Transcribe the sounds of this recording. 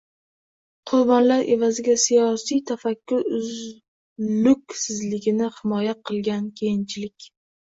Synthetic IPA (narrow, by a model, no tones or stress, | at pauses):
qʰʊɾbɒnlaɾʔe̞vazɪɡʲasijɒsijt̪ʰafakʲːʊɾʊz | lʊkʲsɪzlɪɡʲɪnɪhɪmɒjaqʰɨlˠɡʲankʲʰejɪnt͡ʃʰɪlɪkʲ